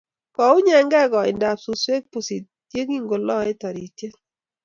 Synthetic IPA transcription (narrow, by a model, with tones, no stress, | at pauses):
kɔ˨ʊ˦ɲɛ˨ŋɡɛ˦ɡɔ˨ɪ̰˨nda˨psu˨swe˦k̚pu˨si˨t | dje˦ɡi˦ŋɡo˨lɔ˦e˦tɔ˨ɾi˨tje˦